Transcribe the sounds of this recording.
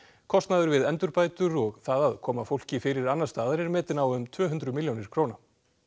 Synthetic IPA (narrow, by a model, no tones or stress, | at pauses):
kʰɔst̪naðʏɾvɪðɛnt̪ʏɾpaːjt̪ʏɾɔɣθaðaðkʰɔːmafowl̥cɪfɪɾɪɾanːḁst̪aːðaɾɛɾmɛːt̪ɪnawʏmt̪ʰvœːɦʉnt̪ɾʏmiljownɪɾ̥kʰɾoːwna